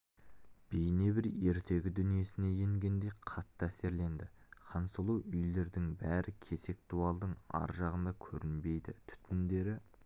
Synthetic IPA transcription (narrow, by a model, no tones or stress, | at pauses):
b̥ejne̞bɪɾe̞ɾt̪ʰe̞ɡʲɪd̪ʏnije̞sɪne̞je̞ŋɡʲe̞nd̪e̞jqʰɑt̪ːəæse̞ɾle̞nd̪ɪχɑnsəlˠuwʏjle̞ɾd̪ɪŋbæɾɪkʲʰe̞se̞k̚t̪uɑlˠd̪əɴɑ̰ɾʒɑʁənd̪ɑkʲʰɵɾɪnbe̞jd̪ɪ̰t̪ʰʏ̥t̪mɪnd̪e̞ɾɪ